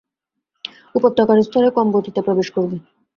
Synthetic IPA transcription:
upot̪ːɔkaɾest̪ʰɔlekɔmbot̪it̪apɾobeʃkoɾbe

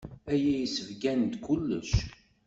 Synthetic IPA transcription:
æjæjisəvɡænd̪kʷulːə̰ʃ

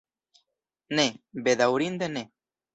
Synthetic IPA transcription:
nẽbeðawɾind̪ene

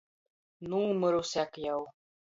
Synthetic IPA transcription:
numɤ̆ɾusækjɑw

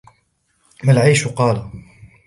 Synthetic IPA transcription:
malʕiːʃqɑːla

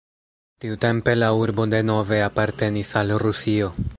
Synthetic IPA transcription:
tiute̞mpe̞lauɾbo̞de̞no̞ve̞apaɾte̞nisalɾusio̞

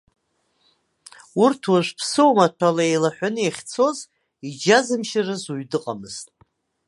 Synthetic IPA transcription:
urtʰwaʒʷpʰsɨwmatʷʰalaejlaħʷʊnɨjeχʲt͡sʰo̞z | id͡ʒazɨmʃɪrɨzuɥdɨqʼamɨz̥tʼ

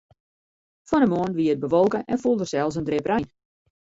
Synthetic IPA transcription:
fɔnəmoənʋiəət̚bəʋolˠkəʔɛnfulˠdərsɛlˠs̬əndrɪprɛjn

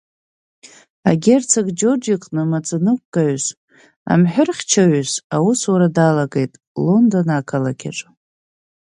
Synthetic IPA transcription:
aɡʲert͡sʰaɡʼd͡ʒod͡ʒikʼnɨmat͡sʼɨnɨkʷʼːaʕz | a̰mħᶣʊrχʲt͡ʃʰaʕʊzawuswaɾadalaɡe̞jtʼ | lo̞ndo̞nakʰalakʲa̰ʈ͡ʂʼ

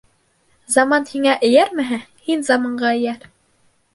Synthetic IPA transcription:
zɑmɑnhiŋæʔɘ̆jæɾmɘ̆ɦæhinzɑmɑɴɢɑɘ̆jæɾ

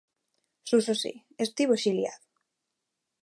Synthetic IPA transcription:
susosḭ | est̪iβoʃilja̰ðo

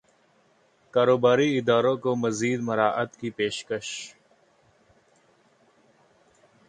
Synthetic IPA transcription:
kaːɾoːbaːɾiɪd̪aːɾõkomɐziːd̪mɐɾaːʔət̪kipeːʃkəʃ

